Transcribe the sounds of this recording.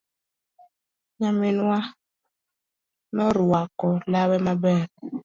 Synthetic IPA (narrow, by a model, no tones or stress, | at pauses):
ɲaminwa | nɔɾwakɔlawɛmabɛɾ